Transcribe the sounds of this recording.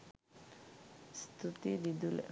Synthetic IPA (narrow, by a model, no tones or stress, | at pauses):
st̪ut̪id̪id̪ul